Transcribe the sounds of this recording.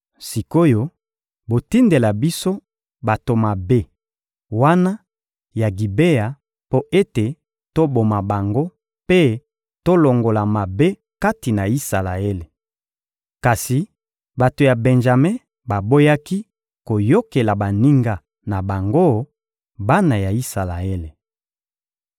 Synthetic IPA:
si˨ko˦jo˦ | bo˨ti˦nde˨la˨bi˦so˦ | ba˨to˨ma˨be˦ | wa˦na˦ | ja˨ɡi˨be˦ja˨ | po˦ʔe˦te˨ | to˦bo˨ma˨ba˨ŋɡo˦ | pe˦ | to˦lo˨ŋɡo˨la˨ma˨be˦ | ka˦ti˨na˨i˦sa˨la˨e˦le˨ | ka˨si˨ | ba˨to˨ja˨bɛ˨nʒa˨mɛ̃˦ | ba˨bo˦ja˦ki˦ | ko˨jo˦ke˨la˨ba˨ni˦ŋɡa˦ | na˨ba˨ŋɡo˦ | ba˦na˨ja˨i˦sa˨la˨e˦le˨

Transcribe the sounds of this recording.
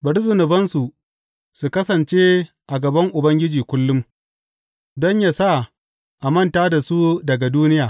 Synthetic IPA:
bɐ˨ɽzʊ˨nʊ˨bɐ˦nsu˨ | su˨kɐ˦sɐ˨nt͡ʃeː˦ | ʔa˨ɡɐ˨bɐ˦ŋʔʊ˨bɐ˦ŋɡʲɪ˦d͡ʒiː˨kʷʊ˦lːʊ˦m | dɔ˦ɲja˨sa˦˨ | ʔa˨mɐ˦ntaː˦da˨su˦dɐ˨ɡa˨duː˦nɪ˦jaː˨

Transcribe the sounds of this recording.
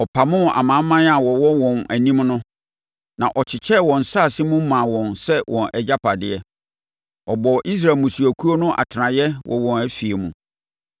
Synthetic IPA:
ɔ˨pʰa˨mʊ̃˦a̰˨mã˨˦mːã˦n˦a˨wɔ˨wɔ˦wɔ̃˨næ̰˨nĩ˦mnʊ̃˦ | nã̰˨ʔɔ˨t͡ɕʰɪ˨t͡ɕʰɛ˦wɔ̃˨n̩˨sa˦˨sɪ˦mʊ̃˦mã˨wɔ̃˨nsɛ˦wʔɔ̃˨nʔɛ˨d͡ʑa˦pʰa˨dɪ˦ɛ˦ | ɔ˨bɔ˨ʔi˦s̬ɾa˨mũ˨su˨æ˨kʰu˦o˦nʊ̃˦ʔa̰˨tʰɪ˨nã˨jɛ˦wʔɔ̰˨wɔ̃˨næ˦fi˨e˨mṵ̃˨

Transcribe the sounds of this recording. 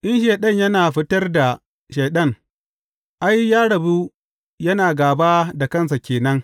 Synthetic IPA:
ʔɪ˦nʃ̬eː˨ɗɐ˦ɲjɐ˦naː˨ɸɪ˦tɐ˦rda˨ | ʃeː˨ɗɐ˦ŋ | ʔa˦jːaː˦ɽɐ˨bu˦ | jɐ˦naː˨ɡaː˨baː˦da˨kɐ˦ns̬a˨kʲeː˨nɐ˦ŋ

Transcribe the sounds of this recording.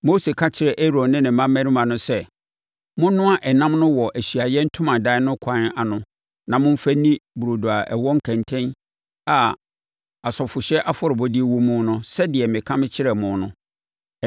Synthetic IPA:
mo˦se˨kʰã˦t͡ɕʰɪ˦ɾɛ˨ʔe˦ɾõ˨nnɪ̃˦nɪ̃˨mã˦mː˦æ̃˦nĩ˦mã˨nʊ̃˦sɛ˦ | mʊ̃˦nʊ̃˦a˦ʔɛ˨nã˦mnʊ̃˦wɔ˨ʔæ˨ɕi˨a˨jɛ˦n̩˦tʰʊ̃˦mã˨da˦ɪ˦nʊ̃˦kʷʰã˦na˨nʊ̃˨ | nã˨mʊ̃˦m̩˦fæ˦nĩ˦bu˨ɾo˨do˨a˨ʔɛ˨wɔ˦ŋ̩˦kʰæ̃˨ntʰɛ̃˦n | a˨ | a˨sɔ˨fʊ˨ɕɛ˦ʔa˦fʊ˦ɾɪ˨bɔ˦dɪ˦e˦wo˦mʊ̃˦nʊ̃˦sɛ˦dɪ˨ɛ˨mɪ̃˨kʰã˦mɪ̃˦t͡ɕʰɪ˦ɾɛ˨mʊ̃˨nʊ̰̃˨

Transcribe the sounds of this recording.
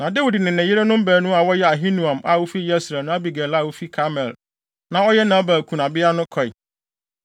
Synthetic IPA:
nã˨de˦wi˨dnɪ̃˨nɪ̃˨jɪ˦ɾe˦nʊ̃˦m̩˦bæː˨˦nʊ̃˦a˨wɔ˦jɛ˦a˨ɦĩ˦nũ˨ã˨ma˨wo˦fi˦jɛ˦sɾɛ˨nʊ̃˦a˦bi˨ɡɛ˨la˦˨wo˦fi˦kʰa˦mɛ˨l | nã˨ɔ˦jɛ˦nã˨˦baː˨kʰu˨na˨bɪ˦a˦nʊ̃˦kʰɔ˨ɪ˨

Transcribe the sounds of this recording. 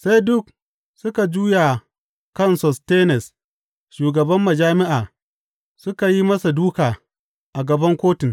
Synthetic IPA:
sa˦jdʊ˦k̚ | sʊ˦ka˨d͡ʒuː˦ja˨ | kɐ˦˨nsɔ˨steː˦nɛ˨s | ʃuː˨ɡɐ˨bɐ˦mːɐ˨d͡ʒaː˦mɪ˦ʔaː˨ | sʊ˦ka˨ji˦mɐ˦sa˨duː˦kaː˨ | ʔa˨ɡɐ˨bɐ˦ŋkʷoː˦tɪ˨ŋ

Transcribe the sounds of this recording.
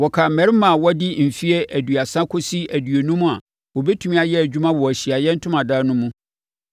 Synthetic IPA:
wɔ˨kʰa˨m̩˨mɛ̃˨ɾɪ˦mã˨wɔ˦dɪ˦m̩˨fi˦ɛ˦ʔæ˨dɥa˨sã˦kʰo˦si˦æ˨dɥe˨nũ˦mũ˦a˨ | wo˨bɛ˦tʰu˨mĩ˦a˨jɛ˦æ˨d͡ʑᶣu˦mã˦wɔ˨æ˨ɕi˨a˨jɛ˦n̩˦tʰʊ̃˦mã˨daː˦nʊ̃˦mũ˦

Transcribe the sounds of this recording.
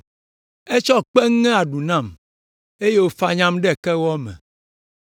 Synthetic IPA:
e˦t͡ʃɔ˦k͡pɛ˦ŋː˦ɛ̃˦a˨ɖu˨nã˦˨m | e˦je˦wo˦fa˦ɲã˦mɖɛ˦˨kɛ˦wɔ˦mɛ̰̃˨

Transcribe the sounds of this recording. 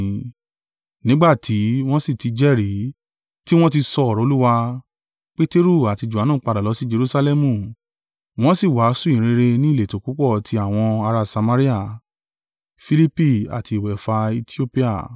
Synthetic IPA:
nĩ˦ɡ͡ba˦˨tʰi˨˦w̃ɔ̃˦si˦˨ti˨˧d͡ʒɛ˦˨ɾi˨˦ | ti˦w̃ɔ̃˦t̬i˧sɔ˧ɔ˨ɾɔ̃˨o˧˦u˦wa˧ | k͡pe˦te˦ɾu˦˨a˨ti˧d͡ʒu˨a˨˦nãː˦˨˦k͡pa˧da˨lɔ˨˦si˦d͡ʒe˧ɾu˦sa˧lɛ˦mũ˨ | w̃ɔ̃˦si˦˨wa˨˦su˦ĩ˨ɾ̃ĩ˧ɾe˧nĩ˦˨le˨to˨ku˦k͡pɔ˦˨tʰi˧a˦˨w̃ɔ̃˧a˧ɾa˧sa˧ma˧ɾi˦a˦˨ | fi˧li˦pi˦˨a̰˨ti˧˨wɛ˨fa˧i˧ti˦o˦pi˦a̰˦˨

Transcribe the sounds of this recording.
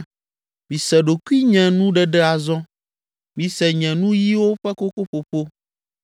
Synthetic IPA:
mĩ˨sɛ˨ɖo˨ku˦i˦ɲɛ̃˨nũ˦ɖɛ˨ɖɛ˦a˨zɔ̃˦ | mĩ˨sɛ˨ɲɛ̃˨nũ˦ji˦wo˦ɸɛ˦ko˦ɸo˦ɸo˨ɸo˦

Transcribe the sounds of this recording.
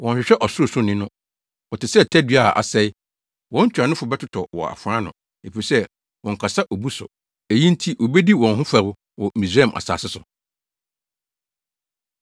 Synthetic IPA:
wɔ̃˨ɲ˨ɕᶣɪ˨ɕᶣɛ˦ʔɔ˨sʊ˦ʊ˦sʊ˦nɪ̃˦nʊ̃˦ | wɔ˨tɪ˨sɛ˦tʰæ˦dɥa˦a̰˨ʔa̰˨sɛ˦ɪ˦ | wɔ̃˦n̩˦t͡ɕᶣa˨nʊ̃˦fʊ˨bɛ˦tʰʊ˦tʰɔ˨wɔ̰˨a̰˨fʊ˨ã˦nʊ̰̃˨ | e˨fi˨sɛ˦ | wɔ̃˨ŋ̩˨kʰa˨sa˦ʔo˨bu˦sʊ̰˨ | e˨jĩ˦n̩˦tʰi˦wo˨bɛ˦di˦wɔ̃˨nɦʊ̃˦fa˨ɾʊ˦ | wɔ˨mĩ˨sɾi˦ɛ˦˨m˨ʔa̰˨sa̰ː˨sɪ˦sʊ˨

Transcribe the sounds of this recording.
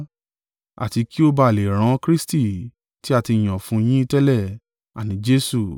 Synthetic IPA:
a̰˨ti˧ki˦o˦ba˧˨le˨ɾ̃ã˧˦kɾi˦sti˦˨ | ti˦a˦˨ti˧˨j̃ã˨fũ˧˦j̃ĩ˦i˦˧tɛ˦lɛ˦˨ | a̰˨nĩ˨˦d͡ʒe˦su˦˨

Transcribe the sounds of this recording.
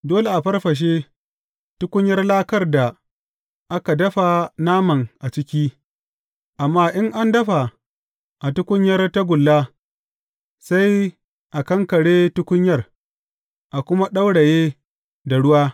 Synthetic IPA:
doː˦le˨ʔa˨ɸɐ˦rɸɐ˨ʃ̬e˦ | tʊ˦kʷʊ˦ɲjɐ˦rlaː˦kɐ˦˨rda˨ | ʔa˦ka˨dɐ˦ɸa˨naː˦mɐ˨ŋʔa˨t͡ʃɪ˦kʲiː˦ | ʔa˨mːaː˦ʔɪ˦ŋʔa˦ndɐ˦ɸa˨ | ʔa˨tʊ˦kʷʊ˦ɲjɐ˦rta˦ɡʷʊ˨lːaː˦ | sa˦j | ʔa˨kɐ˦ŋkɐ˨ɽeː˦tʊ˦kʷʊ˦ɲjɐ˦r | ʔa˨kʷʊ˦ma˦ɗa˦wɽa˨jeː˦ | da˨ɽʊ˦waː˦

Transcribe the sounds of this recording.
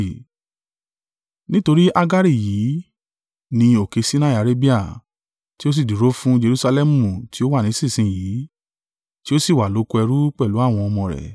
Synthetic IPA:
nĩ˦to˧ɾi˦ʔa˦ɡa˦ɾi˦˨jiː˨˦ | nĩ˧o˨ke˧si˦nã˦˨a˨˧ɾe˦bi˦a˦˨ | ti˦o˦s̬i˦˨di˨ɾo˦fũ˦d͡ʒe˧ɾu˦sa˧lɛ˦mũ˦˨ti˨˦o˦wa˦˨nĩ˨˦si˦˨sĩ˦jiː˨˦ | ti˦o˦si˦˨wa˨lo˨˦ko˧˦ɛ˧ɾu˦k͡pɛ˦˨lu˨˦a˦˨w̃ɔ̃˧ɔ˧mɔ̃˧˨ɾɛ̰˨

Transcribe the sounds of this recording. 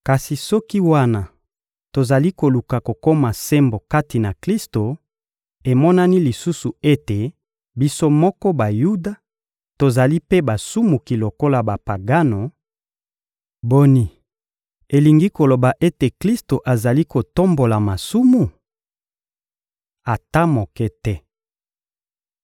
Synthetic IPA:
ka˨si˨sɔ˦ki˦wa˦na˨ | to˨za˨li˦ko˨lu˨ka˨ko˨ko˦ma˨se˦mbo˨ka˦ti˨na˨kli˦sto˨ | e˨mɔ˦na˦ni˦li˨su˦su˨e˦te˨ | bi˦so˦mɔ˦kɔ˦ba˨ju˦da˨ | to˨za˨li˦pe˦ba˨su˦mu˨ki˨lo˨ko˦la˨ba˨pa˨ɡa˦no˨ | bo˦ni˦ | e˨li˨ŋɡi˦ko˨lo˨ba˨ʔe˦te˨kli˦sto˨ʔa˨za˨li˦ko˨to˦mbo˨la˨ma˨su˦mu˨ | a˨ta˦mo˨kɛ˦tɛ˦

